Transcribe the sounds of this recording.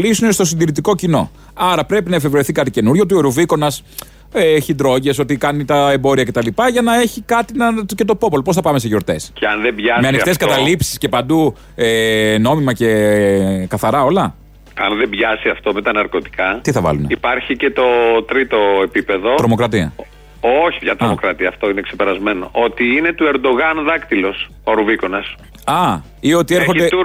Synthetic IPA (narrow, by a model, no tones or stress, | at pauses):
lisunest̪o̞s̬ind̪iɾit̪iko̞cino̞̰ | ɐɾɐpɾe̞pinɐefe̞vɾoiθikɐt̪ice̞nuɾʝo̞t̪ueɾuviko̞nɐs | eçind̪ɾo̞ʝe̞so̞t̪ikɐnit̪ɐe̞mbo̞ɾiɐce̞t̪ɐlipɐʝɐnɐe̞çikɐt̪inɐt̪uce̞t̪o̞po̞polopoθɐpɐme̞s̬eʝo̞ɾt̪e̞sceɐnðebʝɐmeɐnixɐt̪estkɐt̪ɐlipsi̥sce̞pɐnd̪u | eno̞mimɐce̞ | kɐθɐɾɐo̞lɐ | ɐnðembʝɐsiɐft̪o̞met̪ɐnɐɾko̞t̪i̥kɐt̪iθɐvɐ̰luneipɐɾçice̞t̪o̞t̪ɾit̪o̞e̞pipe̞ðo̞t̪ɾo̞mo̞kɾɐt̪iɐ̰ | oçivʝɐt̪ɾomokɾɐt̪iɐːft̪oinekse̞peɾɐzme̞no̰ʔot̪iine̞t̪ue̞ɾd̪o̞ɣɐnðɐkt̪ilo̞s | oɾuviko̞nɐs | ɐ | io̞t̪ieɾxod̪e